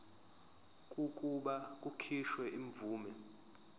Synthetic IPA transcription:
kʼukʼuɓakʼukʰiʃwɛʔiɱb̪vuːmɛ

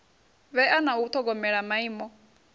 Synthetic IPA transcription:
βɛanaut̪ʰɔɡɔmɛɺamaiːmɔ

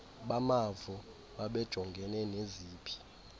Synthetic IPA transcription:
ɓamavɔ | ɓaɓɛd̥ʒ̥ʱɔŋɡʱɛnɛneziːpʰi̥

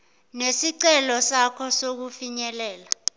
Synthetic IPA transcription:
nesiǀɛlɔsakʰɔsok̬ufiɲɛlɛːla

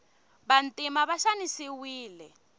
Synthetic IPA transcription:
βantʼimaβaʃanisiwiːlɛ

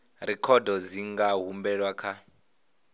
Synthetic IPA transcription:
ɾɛkʰɔdɔd͡ziŋɡaɦumbɛɺwakʰa

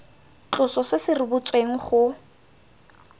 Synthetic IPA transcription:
t͡ɬʊsɔsɪsɪrɪbʊt͡sʼweŋ̩χʊ

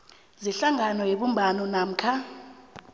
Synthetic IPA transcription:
ziɬaŋanɔjeɓumbʱanɔnam̩kʰa

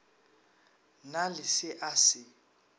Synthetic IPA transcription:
nalɪsɪʔasɪ

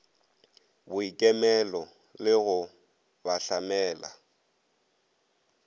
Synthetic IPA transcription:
bʊikʼɛmɛlɔ | lɪɣʊ | baɬamɛːla̰

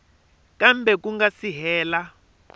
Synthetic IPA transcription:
kambʱɛk̬uŋɡasiɦɛːla

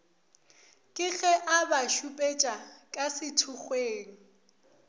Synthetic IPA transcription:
kʼɪɣɛʔabaʃupʼet͡ʃʼakʼasɪtʰʊχweːŋ̩

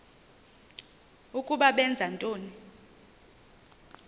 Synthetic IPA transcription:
ukʼuɓaɓɛnd͡zʱantʼoːni

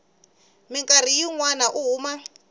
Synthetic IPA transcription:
mɪŋkʼar̤ijiŋwanaʔuɦuːma

